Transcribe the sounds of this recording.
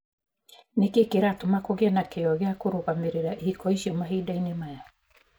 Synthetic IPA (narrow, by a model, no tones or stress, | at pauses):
nekekeɾatomakoɣeanakeɔɣeakoɾoɣameɾeɾahikɔisiɔmaɦidainemaja